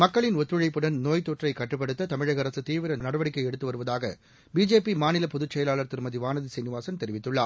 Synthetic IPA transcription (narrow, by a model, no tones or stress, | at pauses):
mɐkːɐɭɪnɔt̪ːɾɯɻɐɪpːɯɽɐnnoːjt̪oːʈrɐɪkːɐʈːɯpːɐɽɯt̪ːɐt̪ɐmɪɻɐɣɐɾɐsɯt̪iːʋɪɾɐnɐɽɐʋɐɽɪkːɐɪɛɽɯt̪ːɯʋɐɾɯʋɐðaːɣɐ̰ | biːd͡ʒeːpimaːnɪlɐpɔðɯt͡ʃːɛjɐlaːɭɐɾt̪ːɪɾmɐðiʋaːnɐðisɐnɪʋaːsɐnt̪ɛɾɪʋɪt̪ːɯɭːaː